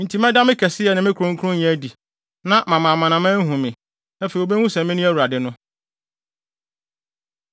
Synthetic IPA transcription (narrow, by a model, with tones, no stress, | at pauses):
n̩˨tʰi˨˦mɛ̃˦da˦mɪ̃˦kʰɛ˨sɪ˦jɛ˨nɪ̃˨mɪ̃˦kʰɾʊ̃˦ŋ̩˦kʰʊ̃˦ɲɛ̃˨˦di˨ | nã˦mã˨mã˨mã˨nã˨mɛ̃˦ɦũ˨mɪ̃˨ | æ˦fe˨i˨o˨be˦hũ˦sɛ˨mɪ̃˦nʊ̃˦æ˦wu˨ɾa˨dɪ˨nʊ̃˦